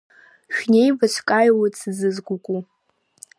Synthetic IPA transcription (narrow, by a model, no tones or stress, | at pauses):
ʃᶣne̞jbat͡ʃʷʰkʼajwit͡sʰɨzɨzɡʷʊkʷʼu